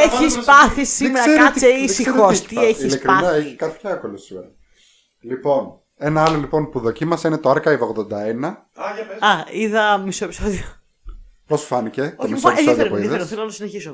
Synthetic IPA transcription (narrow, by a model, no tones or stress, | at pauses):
eispɐθisimeɾɐkkɐɐseisixost̪ieçislekɾiɐnɐeçikɐpçɐkolusion | lipo̞n | enɐɐlo̞lipo̞npuðo̞cimɐseinet̪oɐɾkɐivoɣðo̞nd̪ɐenɐ | ɐiðɐmisoepi̥soðio | posfɐnice̞osɐfpiɐðeɾθelonɐɐsineçiso